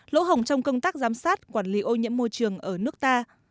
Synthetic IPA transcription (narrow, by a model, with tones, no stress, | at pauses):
lo̰˧˥ɦə˨˩wŋ͡mt͡ɕɔ˧wŋ͡mkə˧wŋ͡mt̪aː˦˥k̚zaː˨˦msaː˦˥t̚kwaː˧˩nli˨˦ʔo˧ɲḭ˧˥əmːo˧jt͡ɕɨ˨˩əŋʔəː˧˩nɨ˦˥ək̚t̪aː˧